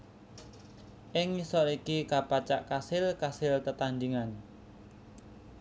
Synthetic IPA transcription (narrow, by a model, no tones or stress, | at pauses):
ʔɪŋːisɔɾikikapat͡ʃaʔkasɪlkasɪlt̪ət̪and̪iŋan